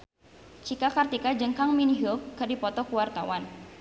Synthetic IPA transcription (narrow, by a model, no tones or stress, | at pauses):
t͡ʃikakart̪ikad͡ʒəŋkaŋminiɦokkədipɔt̪ɔkuwart̪awan